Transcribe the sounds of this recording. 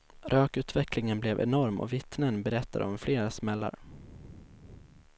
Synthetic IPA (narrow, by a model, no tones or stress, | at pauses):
ɾʔøːkʉ̟ːt̪vɛklɪŋənblɛvɛ̰nɔɾmɔ̰vɪt̪nənbɛɾɛt̪ːad̪ɔmfleːɾasmɛlːa̰ɾ